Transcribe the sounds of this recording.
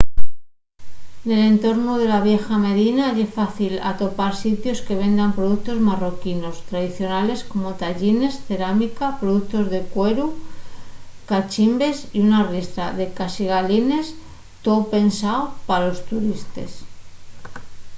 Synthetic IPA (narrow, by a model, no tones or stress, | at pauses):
ne̞le̞nt̪o̞ɾnuð̞e̞laβ̞je̞xame̞ðinaʎesfaθila̰t̪o̞paɾsit̪jo̞ske̞β̞e̞nd̪ampɾo̞ðuk̚t̪o̞zmaro̞kino̞st̪ɾaðiθjo̞nale̞sko̞mo̞t̪aʎine̞sθe̞ɾamikapɾo̞ðuk̚t̪o̞zðe̞kwe̞ɾu | kat͡ʃimbe̞siunariest̪ɾaðe̞kasiɣaline̞s | t̪o̞pe̞nsaopalo̞st̪uɾist̪e̞̰s